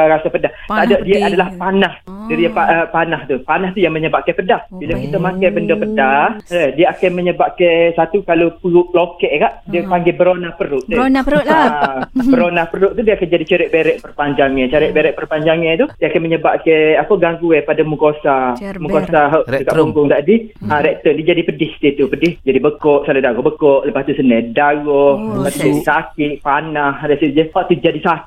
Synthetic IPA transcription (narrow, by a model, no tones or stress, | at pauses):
əkasapədaht̪aʔdaʔdiəadalahpanahdəɾipaəpanaht̪upanaht̪ujaŋməɲəbaʔ̚kapədahbilakit̪amakajbəndəpədahləhdiəakanməɲəbaʔkasat̪ukalopuʊʔplokɛʔkaʔdiəpaŋɡɪbəɾonahpəɾʊʔ̪ə | bəɾonahpəɾʊʔ̚t̪udiəakand͡ʒadit͡ʃaɾɛʔ̚beɾɛʔpərpaɲd͡ʒaŋɲət͡ʃaɾɛʔbeɾɛʔpərpaɲd͡ʒaŋɛnt̪udiəakanməɲəbaʔkeapəɡaŋɡuɛpadamukosamukosaɦaʔdəkaʔpuŋɡʊŋt̪aʔdiəɾɛʔ̚t̪ənid͡ʒadipədɪhst̪it̪upədɪhd͡ʒadibəkɔʔsaludaɣɔhbəkɔʔləpast̪usənədaɣɔht̪aʔt̪id͡ʒadisakɪʔpanaɦadasid͡ʒəhaʔt̪ud͡ʒadisak